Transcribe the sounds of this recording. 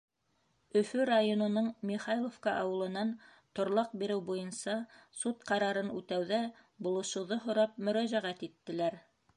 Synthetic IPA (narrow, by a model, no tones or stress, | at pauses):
ɵ̆fɵɾajonŏnɤɴmʲiχɑjlˠofkɑʔɑwɤ̆lˠɤ̆nɑn | t̪ŏɾlˠɑq̚biɾɘwbujɤ̆nsɑsut̪̚qɑɾɑɾɤnʉt̪æwðæbŏlˠɤ̆ʃɤ̆wðɤɦŏɾɑp̚mɵ̆ɾæʑæʁæt̪it̪ːɘ̆læɾ